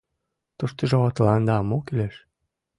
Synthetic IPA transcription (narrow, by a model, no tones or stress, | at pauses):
t̪uʃt̪əʒoβɑt̪lɑnd̪ɑːmokileʃ